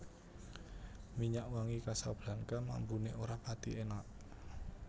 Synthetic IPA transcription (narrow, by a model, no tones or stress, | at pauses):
miɲaʔwaŋikasa̰b̥lankama̰mbuneʔoɾapat̪ḭʔenaʔ